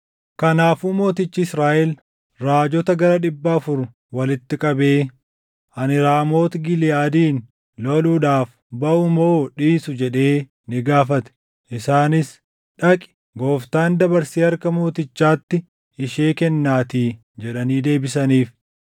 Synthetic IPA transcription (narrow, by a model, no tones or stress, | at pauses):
kɐnaːfuːmo̞ːt̪ɪt͡ʃːɪɪsɾaːʔɛl | ɾaːd͡ʒɔt̪ɐɡɐɾɐᶑɪbːɐːfʊɾʊ | wɐlɪt̪ːɪkʼɐbe̞ː | ɐnɪɾaːmo̞ːt̪ɡɪlɪjaːd̪iːn | lɔluːᶑaːf | bɐʔʊmoːᶑiːsʊd͡ʒɛᶑe̞ː | nɪɡaːfɐt̪ɛ̥ | ʔɪsaːnɪs | ᶑɐkʼɪ̥ | ɡo̞ːft̪aːnd̪ɐbɐɾsiːɐɾkɐmo̞ːt̪ɪt͡ʃːaːt̪ːɪ | ɪʃeːkɛnːaːt̪iː | d͡ʒɛᶑɐniːd̪e̞ːbɪsɐniːf